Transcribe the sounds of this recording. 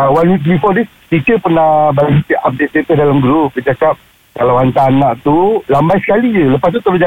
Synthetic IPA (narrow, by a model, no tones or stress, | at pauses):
wanwik̪bifɔdi | t̪ikəpərnabalisit̪iap̚deʔt̪et̪ədalamɡɾup̚kəd͡ʒakap̚ | kalawant̪anaʔt̪ulambajsə̥kaliələpast̪ut̪əlud͡ʒa